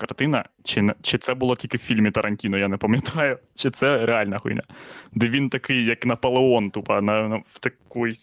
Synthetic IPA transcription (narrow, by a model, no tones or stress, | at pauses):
kɐrt̪ɪnɐ̰ | t͡ʃɪnt͡ʃɪt̪sɛbʊlˠɔtʲilʲkɪwfʲilʲmʲit̪ɐɾʔɐnʲtʲinʊjanɛpɐmʲjɐt̪ʰɑjʊ | t͡ʃɪt̪sɛɾealʲnɐɦṵjnʲɐ̰d̪ɛʋʲint̪ɐkɪjːɐknɐpɐlˠeɔnt̪upɐnɐwt̪ɐkɔj